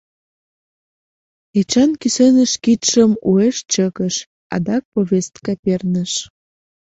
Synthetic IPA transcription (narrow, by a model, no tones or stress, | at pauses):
et͡ɕɑnkysenəʃkit̪ʃəmueʃt͡ɕəkəʃ | ɑ̰d̪ɑk̚poβʲest̪kɑpernəʃ